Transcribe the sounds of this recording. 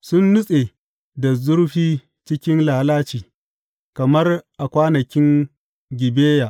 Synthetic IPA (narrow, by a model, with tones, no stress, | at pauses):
sʊ˦nːʊ˦sʼe˨ | da˨zʊ˦rɸiː˦ | t͡ʃɪ˦kʲɪ˦nlaː˨laː˦t͡ʃiː˨ | kɐ˨mɐ˦rʔa˨kʷaː˦nɐ˨kʲɪ˦ŋ | ɡʲɪ˨beː˦jaː˨ʔ